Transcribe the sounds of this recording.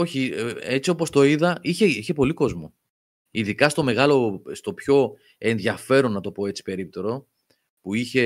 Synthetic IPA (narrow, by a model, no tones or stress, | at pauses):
oçie̞t͡sio̞po̞st̪o̞iðɐiçe̞içe̞po̞liko̞zmo | iðikɐst̪o̞me̞ɣɐlo̞st̪o̞pço̞ | e̞nðʝɐfe̞ɾo̞nːɐt̪o̞po̞e̞t͡si̥pe̞ɾip̚t̪o̞ɾo̞ | puiçe̞